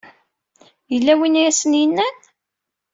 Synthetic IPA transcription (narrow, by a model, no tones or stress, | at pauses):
jəlːæwinæsənjənːæn